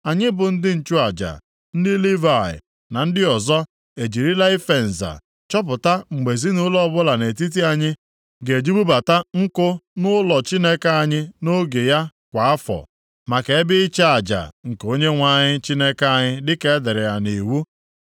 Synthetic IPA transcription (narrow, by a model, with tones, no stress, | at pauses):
a˨ɲɪ˦bʊ˨n̩˦dɪ˦n̩˨t͡ʃu˦a˨d͡ʒa̰˨ | n̩˦dɪ˦li˦va˨ɪ̰˨ | na˨n̩˦dɪ˦ɔ˨zɔ˦ | e˨d͡ʒi˨ɾi˦la˦i˦fe˨n̩˨za̰˨ | t͡ʃɔ˦p̬ʊ˨ta˦ŋ͡m̩˨ɡ͡be˨zi˦nʊ˦lɔ˦bʊ˦la˨ne˨t̬i˦t̬i˦a˦˨ɲɪ˦ | ɡe˨d͡ʒi˦bu˦ba˨ta˦ŋ̩˦kʊ˦nʊ˦lɔ˨t͡ʃi˦ne˦ka˦a˨ɲɪ˦no˦ɡe˨ja˦kʷa˨a˦fɔ̰˨ | ma˨ke˨e˦bɪ˦i˦t͡ʃe˦a˨d͡ʒa̰˨ŋ̩˨ko˦ɲe˦ŋʷa˨ɲɪ˦t͡ʃi˦ne˦ka˦a˦˨ɲɪ˦dɪ˦ke˦dɪ˨ɾɪ˨ja˨ni˨wu˦